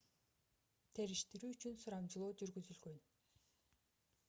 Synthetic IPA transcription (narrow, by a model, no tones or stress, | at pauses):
t̪ʰeɾiʃt̪iɾyːyt͡ɕynsʊɾamd͡ʑlˠoːd͡ʑyɾɡɵzylɡøn